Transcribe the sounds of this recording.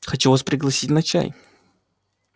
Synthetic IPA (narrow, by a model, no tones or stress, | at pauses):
xɐt͡ɕuvaspɾʲɪɡlˠɐsʲitʲnɐt͡ɕa̰j